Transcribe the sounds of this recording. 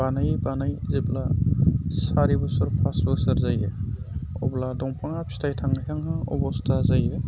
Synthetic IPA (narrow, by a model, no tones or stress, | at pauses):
banajbanajzibla | saɾibɔsɔɾpʰasbɔsɯɾzaje | ɔ̰bladɔŋpʰaŋapʰi̥stʰajtʰaŋnajkʰaŋɦaɔ̰bɔstʰazaje